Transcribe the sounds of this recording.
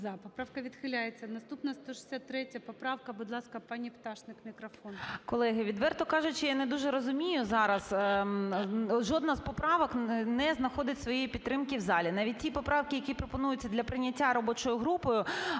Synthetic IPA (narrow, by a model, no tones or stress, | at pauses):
d̪apɔpɾawkɐʋʲid̪xɪlʲajet͡sʲːɐnɐst̪upnɐst̪ɔʃɪ̥sʲat̪ːɾɛtʲɐpɔpɾɑwkɐbʊd̪lˠɑskɐpɑnʲipt̪ɑʃnɪkmʲikɾɐfɔnkɔlˠɛɦɪʋʲid̪ʋɛrt̪ɔkɑʒʊt͡ʃɪjanɛd̪uʒɛɾɔzʊmʲijʊzɑɾɐs | ʒɔd̪nɐzpɔpɾɑʋɔknɛznɐxɔd̪ɪtʲsʋɔjɛjipʲit̪ːɾɪmkʲiwzɑlʲinɑʋʲit̚ʲtʲipɔpɾɑwkʲɪjɐkʲipɾɔpɔnujʊt͡sʲːɐd̪lʲɐpɾɪnʲɐtʲːaɾɔbɔt͡ʃɔjʊɦɾupɔjʊ